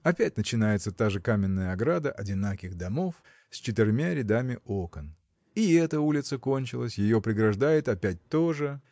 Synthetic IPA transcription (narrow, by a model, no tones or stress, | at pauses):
ɐpʲætʲnət͡ɕɪnajɪt̪sət̪aʐɨkamʲɪnːəjəɐɡɾad̪əʔɐdʲɪnakʲɪɣd̪ɐmo̞f | sʲt͡ɕɪt̪ɪrʲmʲaɾʲɪd̪amʲɪʔo̞kən | iɛt̪əulʲɪt̪səko̞nʲt͡ɕɪlˠəsʲjɪjo̞pɾʲɪɡɾɐʐd̪ajɪt̪ɐpʲæt̚ʲt̪oʐɨ